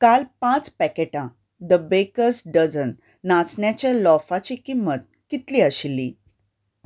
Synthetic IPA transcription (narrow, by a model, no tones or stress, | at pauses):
kalpãt͡spɛkeʈã | d̪əbekəɾsɖəd͡zənː | at͡sɳjat͡ɕjalɔfat͡ɕikimːət̪̚kit̪liəɕili